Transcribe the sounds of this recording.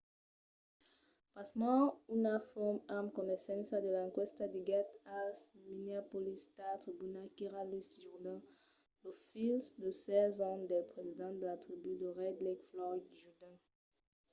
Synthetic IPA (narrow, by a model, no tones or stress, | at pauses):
pasmɑ̃unafɔmamkɔnɛsɛ̃sad̪əlãkwɛst̪ad̪iɡat̪asminiapolist̪at̪χibynakiʁalysʒuʁd̪ɛ̃ | lofilsd̪əsɛzɔ̃d̪ɛlpχezid̪ɑ̃d̪əlat̪χibyd̪əʁɛd̪likflɔdʒud̪ɛ̃